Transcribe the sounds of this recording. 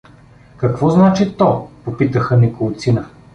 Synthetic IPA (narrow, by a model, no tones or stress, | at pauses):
kɐkvɔznat͡ʃit̪ɔpopit̪əxənikolˠt̪sinə